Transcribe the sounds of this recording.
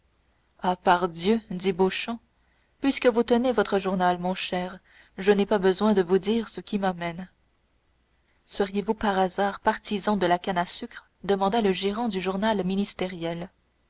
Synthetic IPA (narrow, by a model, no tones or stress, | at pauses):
apaʁd̪jød̪iboʃɑ̃ | pɥiskəvut̪ənevɔt̪χəʒuʁnalmɔ̃ʃɛːʁ | ʒənepabəzwɛ̃d̪əvud̪iːʁsəkʲimamɛn | swəʁjevupaʁazaːʁpaʁt̪izɑ̃d̪əlakanasykχ | d̪əmɑ̃d̪aləʒiʁɑ̃d̪yʒuʁnalminist̪eʁjɛl